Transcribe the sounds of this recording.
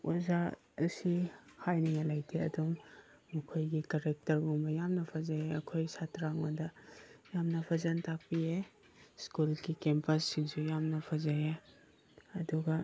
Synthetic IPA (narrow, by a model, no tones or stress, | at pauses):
o̰za | ɐsihajniŋalajtʰeɐduŋː | ɐkʰojɡikaɾek̚tɐɾɡoŋbɐjamnɐpʰazajeɐkʰojsatɾaŋodɐjamnɐpʰazantʰak̚pie | skulɡikempɐsːiŋsujamnɐpʰazaje | ɐduɡɐ